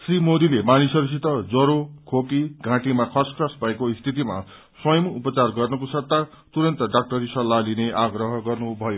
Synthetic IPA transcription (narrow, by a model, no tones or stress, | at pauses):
srimod̪ilemanisʌɾusit̪ʌd͡zʌɾokʰokiɡʱãʈimakʰʌskʰrʌsbʱʌekoist̪ʰit̪ima̰ | swʌjʌmupʌt͡sarɡʌrnʌkosʌt̪ːa | t̪uɾʌnt̪ʌɖak̚ʈʌɾisʌlːalineʔaɡrʌɦʌɡʌrnubʱʌjo